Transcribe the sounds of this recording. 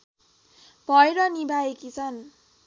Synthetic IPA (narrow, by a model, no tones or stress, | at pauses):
b̥ʱʌjɾʌnibaekit͡sʰʌn